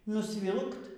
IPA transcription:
nʊsʲˈʋʲɪlˠkt

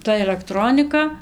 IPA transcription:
ˈtɐ ɛlʲɛkˈtroːnʲɪkɐ

